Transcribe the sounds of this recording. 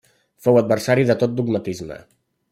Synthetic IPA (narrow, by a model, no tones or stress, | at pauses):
fowəd̪̚bərsaɾiðət̪ot̪̚d̪uɡmət̪izmə̰